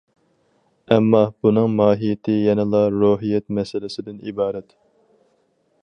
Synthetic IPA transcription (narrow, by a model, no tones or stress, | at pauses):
ɛmːɑb̥unɨŋmɑːɦijɪt̪ʰɪjɛnɨlˠɑɾoɦijɛt̪̚mɛsɪlɪsɪd̪ɪnibɑːɾɛt̪